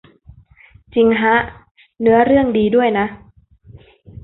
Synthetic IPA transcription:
t͡ɕi˧ŋɦa˦˥ʔ | nɯ˦˥ɐɾɯ˥˩əŋdiː˧du˥˩əjna˦˥

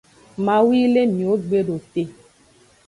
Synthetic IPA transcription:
mã˨wiː˦le˦mĩ˨o˨˦ɡ͡be˦ɖo˨te˨

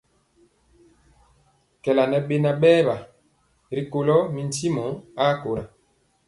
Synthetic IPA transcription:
kɛ˨la˨nɛ˦ɓe˦na˦˨ɓɛː˦ba˨ | ɾi˨ko˨lɔ˦mi˨n˦ti˦mɔ˨˦a˦ko˨ɾa˨

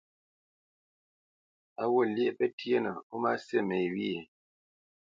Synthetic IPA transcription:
a˦wo˦˨lje˦˨pɛ˦tje˦nə˨o˦ma˦se˦me˨jwi˦e˨

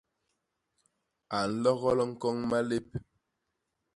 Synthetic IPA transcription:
a˨n̩˦lɔ˦ɣɔ˦lɔ˦ŋ̩˦kɔ˦ŋma˦le˦p̚

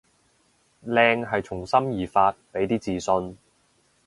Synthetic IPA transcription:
lɛː˧ŋɦɐ˨jt͡sʰʊ˨˩ŋsɐ˥mjiː˨faː˧t̚pe˨˥jt̪iː˥t͡siː˨sɵ˧n

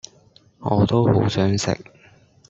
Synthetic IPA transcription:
ŋɔː˨˧t̪o˥who˨˥wsœː˨˥ŋsɪ̰˨k̚

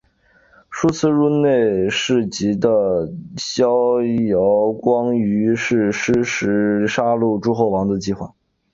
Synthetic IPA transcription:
ʂu˥t͡sʰɹ̩˥˧ɻu˥˧ne˥˧ɪʂɻ̩˥˩t͡ɕi˧˥d̪ə˧ɕjɑ˥ʊjɑ˧˥ʊkwɑ˥ŋy˧˥ʂɻ̩˥˩ʂɻ̩˥ʂɻ̩˧˥ʂa˥lu˥˩ʈ͡ʂu˥xo˥˩ʊwɑ˧˥ŋd̪ə˧t͡ɕi˥˧xwa̰˥˩

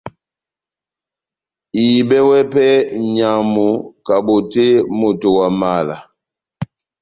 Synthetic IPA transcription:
i˨bɛ˦wɛ˦pɛ˦ɲa˨mu˨ka˨bo˨te˦mo˨to˨wa˨ma˦˨la˨

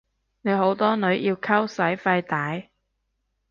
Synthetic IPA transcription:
ne˨˧jɦo˨˥wt̪ɔː˥nɵ˨˧ɥjiː˧wkʰɐ˥wsɐ˨˥jfɐ˧jt̪aː˨˥j

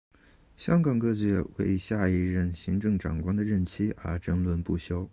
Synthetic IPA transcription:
ɕjɑ˥ŋkɑ˨˩ŋkɤ˥˧t͡ɕɥɛ˧˥we˥˧ɪɕja˥˧i˥˧ɻə˥˧˩nɕi˧˥ŋʈ͡ʂɤ˥˩ŋʈ͡ʂɑ̰˨˩ŋkwɑ˥ŋd̪ə˨ɻə˥˩nt͡ɕʰi˥ə̰˞˧˥ʈ͡ʂə˥nlwə˧npu˥˩ɕjo˥ʊ

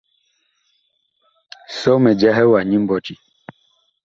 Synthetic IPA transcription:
sɔ˦mɛ˨d͡ʒa˦ɦɛ˦wa˨ɲi˦m˦bɔ˨t͡ʃi˦

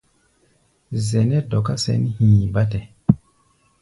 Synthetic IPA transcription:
zɛ˨nɛ˦dɔ˨ka˦sɛ̰˨˦n˦hĩ˨ba˦tɛ˨

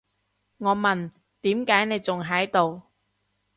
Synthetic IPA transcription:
ŋɔː˨˧mɐ˨˩n | t̪iː˨˥mkaː˨˥jne˨˧jt͡sʊ˨ŋɦɐ˨˥jt̪o˨w

